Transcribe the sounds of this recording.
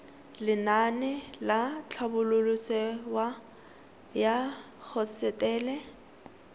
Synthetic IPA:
lɪnanɛlat͡ɬʰabʊlʊlʊsɛwa | jak͡xʰɔsɛtʼɛːlɛ

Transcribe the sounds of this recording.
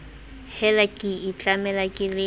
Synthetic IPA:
hɛlakʼɪit͡ɬʼamɛlakʼɪlɪ

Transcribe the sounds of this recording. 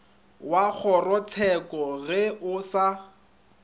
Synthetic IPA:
wak͡xʰɔrɔt͡sʰɛkɔɣɛʊsa

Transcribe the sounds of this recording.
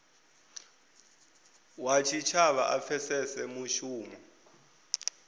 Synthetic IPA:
wat͡ʃʰit͡ʃʰaɓaʔafʰɛsɛsɛmuʃuːmɔ

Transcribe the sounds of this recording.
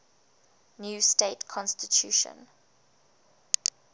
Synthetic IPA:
njuːsteɪtkʰɔ̃nstitʰjuːʃə̰̃n

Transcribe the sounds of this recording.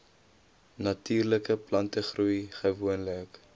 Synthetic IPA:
nɐtyːrləkəplɐntəχrujχəvuənlək

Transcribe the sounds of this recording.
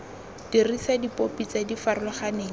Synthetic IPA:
d̥irisadipopit͡sadifarʊlɔχaneːŋ̩

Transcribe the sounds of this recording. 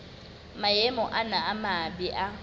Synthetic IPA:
majemɔʔanaːmabiʔa

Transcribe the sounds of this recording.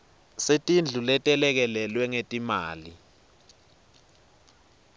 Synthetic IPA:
setʼind͡ɮʱulɛtʼɛlɛk̬ɛlɛlwɛŋetʼimaːli

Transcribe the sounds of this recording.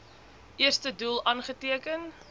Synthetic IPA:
ʔiərstədulˠɐːnχətiəkən

